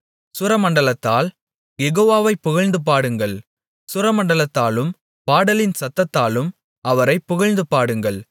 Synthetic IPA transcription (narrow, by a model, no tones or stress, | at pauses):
sʊɾɐmɐɳɖɐlɐt̪ːaːl | jɛɣoːʋaːʋɐɪpːʊɣɐɻnd̪ɯp̬aːɽɯŋɡɐɭ | sʊɾɐmɐɳɖɐlɐt̪ːaːlɯm | paːɽɐlɪnsɐt̪ːɐt̪ːaːlɯm | ɐʋɐɾɐɪpːʊɣɐɻnd̪ɯpaːɽɯŋɡɐɭ